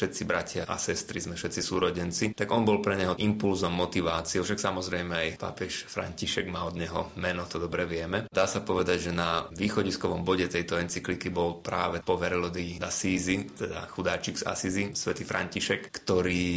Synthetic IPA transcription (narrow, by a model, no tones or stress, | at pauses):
ʃɛt̪t͡sibɾacɪaʔa̰sɛst̪ɾizmɛfʃɛt̪t͡sisuːɾɔɟɛnt͡sit̪aɡɔnbɔlpɾɛɲɛɦɔʔimpulzɔmːɔt̪iʋaːt͡siɛfʃaksamɔzɾɛjmɛajpa̰ːpɛʃfɾa̰ɲciʃɛɡmaːɔd̪ɲɛɦɔmɛnɔt̪ɔd̪ɔbɾɛʋɪɛmɛd̪aːsapɔʋɛd̪aɟʒɛnaʋiːxɔɟiskɔʋɔmbɔɟɛt̪ɛjt̪ɔɛnt͡siklikibɔlpɾa̰ːʋɛpɔʋɛɾɛlɔd̪id̪asiːzit̪ɛd̪a̰xud̪aːt͡ʃiɡsa̰sizisʋɛt̪ifɾʔa̰ɲciʃɛkːt̪ɔɾiː